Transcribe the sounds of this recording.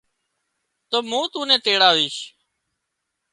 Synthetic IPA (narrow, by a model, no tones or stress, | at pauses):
t̪oːmũːt̪ũːnẽːt̪eːɽaːʋiːʃ